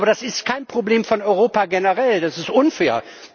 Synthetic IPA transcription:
bɐdasɪstkʰaɪnpʁ̥obleːmfɔnɔʏʁoːpaɡenəʁɛldasɪstʔʊnfɛːɐ

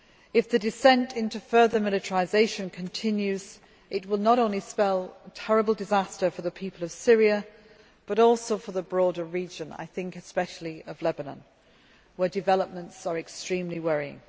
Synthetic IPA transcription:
ɨfðɨdɨsɛ̃ntʰɪ̃ntufɜ˞ðə˞mɪlˠɨtə˞ɪzeɪʃɨ̃nkʰɨ̃ntʰɪ̃njʉz | ɪt̚wɪlˠnəɾõʊ̃nlispɛlˠtʰɛɹəbl̩ˠdɨzastə˞fə˞ðəpʰipʰəlˠʌv̥sɪɹiə | b̥ʌɾɔlˠsoʊfə˞ðəbɹɔɾə˞ɹid͡ʒə̃na̰ɪθɪ̃ŋkɨspɛʃl̩ˠiʌvlɛbənə̰̃n | wə˞dɨvɛlˠəp̚mə̃ntsə˞ɨkstɹ̥ĩmliwɛɹiɪ̰̃ŋ

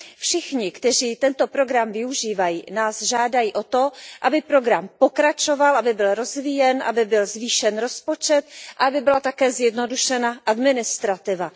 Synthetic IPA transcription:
fʃɪxɲɪkt̪ɛriːt̪ɛnt̪o̞pɾo̞ɡɾamvɪuʒiːvajiːnaːzʒaːdajiːʔo̞t̪o̞ʔabɪpɾo̞ɡɾampo̞kɾat͡ʃo̞valʔabɪbɪlɾo̞zvijɛnʔa̰bɪbɪlzviːʃɛnɾo̞spo̞t͡ʃɛt̪ʔaabɪbɪlat̪akɛːzjɛdno̞duʃɛnaʔadmɪnɪst̪ɾat̪ɪva

